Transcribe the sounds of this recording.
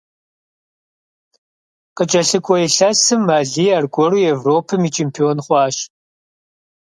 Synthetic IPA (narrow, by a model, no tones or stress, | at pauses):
qət͡ʃʼɐɬɨkʷʼɔɛɬɐsɨmːaːɮiːarɡʷʼɔruːevroːpʰɨmiːt͡ʃʰempʰionχʷɑːʃ